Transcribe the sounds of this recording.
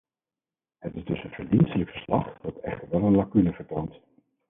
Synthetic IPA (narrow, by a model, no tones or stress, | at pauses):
ɦətɪzdɵsənvəɹdinstələkfəɹslɑχd̥ɑtɛ̰χtəɹʋɛlˠənlɑkynəvəɹtownt